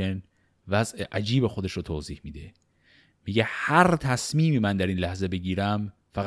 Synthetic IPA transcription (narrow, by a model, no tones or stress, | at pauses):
en | væzʔeʔæd͡ʒiːbexo̞d̪e̞ʃɾoːt̪ʰoːziːhmiːd̪e | miɟehæɾt̪ʰæsmiːmiːmænd̪æɾiːnlæhze̞be̞ɡɟiːɾæm | fæɣ